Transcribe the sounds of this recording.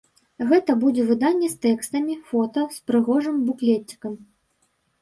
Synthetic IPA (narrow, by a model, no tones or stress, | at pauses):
ɣɛt̪ɐbud͡zʲɛvɨd̪anʲːɛst̪ɛkst̪ɐmʲifɔt̪ɐspɾɨɣɔʐɨmbuklʲetʲːi̥kɐm